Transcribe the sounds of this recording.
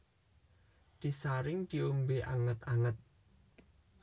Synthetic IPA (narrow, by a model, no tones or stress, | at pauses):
d̪̥i̤saɾɪŋd̪̥i̤umbeʔaŋət̪aŋət̪̚